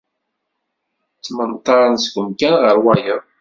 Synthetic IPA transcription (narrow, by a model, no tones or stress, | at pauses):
t͡sːmənt̪ˤːɑɾˤənsɡʷəmkænʁəɾwæjəðˤ